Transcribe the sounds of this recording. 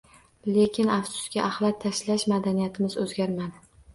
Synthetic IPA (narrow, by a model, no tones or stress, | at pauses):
le̞kʲʰɪnafsʊ̥skʲaʔːhlat̚t̪ʰːaʃlaʃmad̪anijat̪ʰɪmɪzɵzɡʲaɾmad̪ɪ